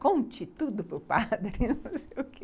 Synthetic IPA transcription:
kõnt͡ʃit̪ud̪ʊpɾʊpad̪ɾnɐ̃sejʊke

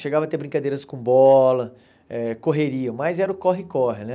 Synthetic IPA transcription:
ʃeɡavɐt̪ebɾĩŋkad̪eɾɐskõbɔlɐ | ɛkoɦeɾiɐ̃majzɛɾʊkɔɦɪkɔɦɪnɛ

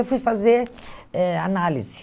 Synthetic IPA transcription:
fujfazeɾɛanalizɪ

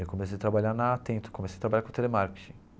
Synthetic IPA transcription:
ekomesejat̪ɾabaʎanɐːt̪ẽnt̪ʊ̥komesejt̪ɾabaʎakõt̪elemaɾke̥t͡ʃĩ

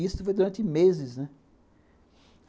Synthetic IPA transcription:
ist̪ʊfojd̪uɾɐ̃nt͡ʃɪmezɪznɛ

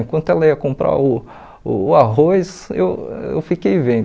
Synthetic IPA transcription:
ĩkwɐ̃nt̪ʊɛlɐiɐkõmpɾa̰ʊ | ʊːaɦojsḛwḛwfikejvẽd̪

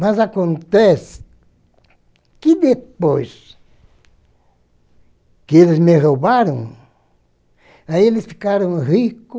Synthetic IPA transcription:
mas̬akont̪es | kid̪epos | kelesmehobaɾoŋ | ailest̪i̥kaɾoŋhiko

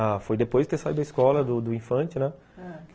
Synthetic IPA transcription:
afojd̪epojzd͡ʒɪt̪esaid̪ɐiskɔlɐd̪ʊd̪ʊĩfɐ̃t͡ʃɪnɛ | k

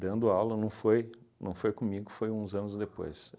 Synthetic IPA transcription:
d̪ɐ̃nd̪ʊawlɐnɐ̃w̃fojnɐ̰̃w̃fojkõmiɡʊfojũzɐ̃nʊzd̪epo̰js

